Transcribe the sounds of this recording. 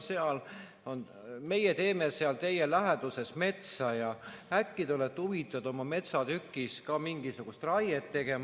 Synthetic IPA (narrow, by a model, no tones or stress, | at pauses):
se̞ɑl | o̞n | me̞jet̪e̞ːmese̞ɑlt̪e̞jelæɦed̪̥use̞sme̞t̪sɑjɑækːit̪o̞let̪ːˑuvit̪ːˑɑd̪̥o̞mɑme̞t̪sɑt̪ykːˑiskɑmiŋɡ̥isuɡ̥ust̪rɑjet̪ːe̞ɡ̥e̞m